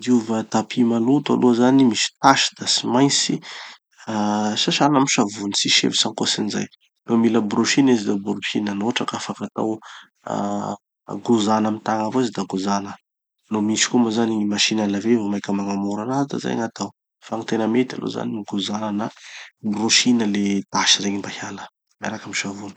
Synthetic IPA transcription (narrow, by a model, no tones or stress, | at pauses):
d̪iuvət̪apʰimalut̪a̰lʔozanimisi̥t̪aʃi̥d̪̥asimajnt͡si | asaʃanamiʃavunit͡siʃḛvisaŋkosiniza̰j | lomiləbroʃinizid̪abɾuʃinanoaʈ͡ʂakafakat̪a̰w | a̰ | ɡuzanamit̪aŋavoizid̪aɡuzanə | nomisi̥komazanimaʃinalavevomajkʲəmaŋamuɾanazid̪a̰za̰jŋat̪aw | faŋit̪enəmet̪a̰lo̰za̰nimiɡuzanənabroʃinəled̪̥aʃiɾeɲimbahalə̥ | maɾakamiʃavunə̥